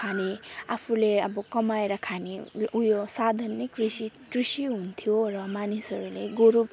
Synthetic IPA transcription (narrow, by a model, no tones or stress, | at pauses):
kʰaneapʰuleʌbʌkʌmaeɾʌkʰaneujosad̪ʱanːikrisikrisiɦunt̪ʰijorʌmanisʌɾuleɡoɾub